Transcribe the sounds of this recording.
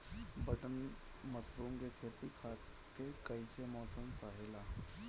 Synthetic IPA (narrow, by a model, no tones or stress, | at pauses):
bəʈən | məsɾuːŋɡekʰet̪ikʰa | kekəjsemɔsənt͡saɦela